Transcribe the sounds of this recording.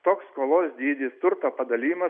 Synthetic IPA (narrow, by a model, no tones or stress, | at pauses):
t̪oːkskoːlˠoːsd̪ʲiːd̪ʲiːst̪ʊɾt̪oːpɐd̪ɐlʲiːmɐ